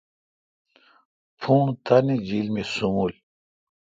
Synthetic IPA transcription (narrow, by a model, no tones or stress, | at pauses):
pʰũːt̪anid͡ʑilmesumul